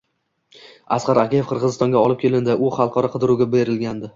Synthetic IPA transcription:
asqɑɾakʲijefqʰɨɾʁɨzɪst̪ɒ̃ŋɡʲaɒlˠɪp̚kʲʰe̞lɪnd̪ɪʔʊχɑlˠqʰɒɾɒqʰɨd̪ɪɾuɡʲabe̞ɾɪlɡʲand̪ɪ

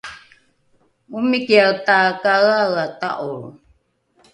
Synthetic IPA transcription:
umikiawtakaɣaɣata̰ʔul

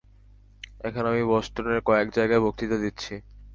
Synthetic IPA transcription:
ɛkʰonamiβɔʃʈoneɾkɔekd͡ʑajɡaebʱok̚t̪it̪ad̪itːɕʰi

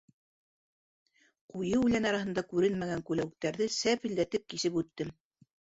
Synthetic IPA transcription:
qujɤʉlænɑɾɑhɤ̆nd̪ɑkʉɾɘnmæɡæŋkʉlæwɘ̆k̚t̪æɾðɘsæpɘ̆ld̪æt̪ɘp̚kisɘpʉt̪ːɘm

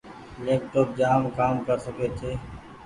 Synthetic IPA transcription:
neːk̚ʈʊk̚d͡ʒaːmkaːmkəɾsəkeːt̪ʰeː

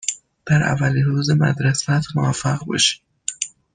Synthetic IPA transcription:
d̪̥æɾʔæ̰væliɾuːzemæ̰d̪ɾesæt̪ʰmovæfːæɣbɒ̰ːʃi̥

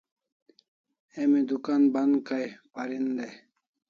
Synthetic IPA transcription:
emid̪ukanbɐnd̪kajpɐɾind̪e

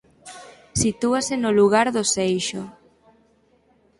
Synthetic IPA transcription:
sit̪uasenoluɣ̞aɾðosejʃo

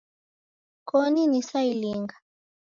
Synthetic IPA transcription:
kɔninisailiŋɡa

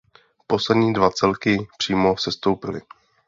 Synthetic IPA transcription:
po̞slɛdɲiːdvat͡sɛlkɪpr̥iːmo̞sɛst̪owpɪlɪ̰

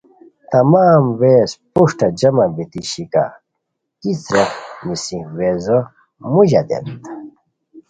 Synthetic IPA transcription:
t̪ɐmaːmweːspuʂʈɐd͡ʑɐmɐbit̪iɕika̰ | kit͡sɾɐmisĩwezo | muʑɐd̪ḛnt̪

